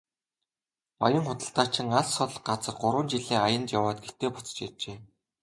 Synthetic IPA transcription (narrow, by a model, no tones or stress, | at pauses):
ɔjə̆ŋχʊt̪ə̆ɬt̪aːt͡ɕʰɪĭŋaɮːʊɮ̆qɢat͡sə̆χ̚ɢʊɾwə̆nt͡ɕiɮeːajə̆nt̪jawaːt̪̚ɡet̪eːpʊ̥t͡sə̥̆t͡ɕirt͡ɕeː